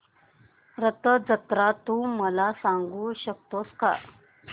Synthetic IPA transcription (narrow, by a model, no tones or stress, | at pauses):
ɾət̪əd͡zət̪ɾat̪uməlasaŋɡuɕək̚t̪oska̰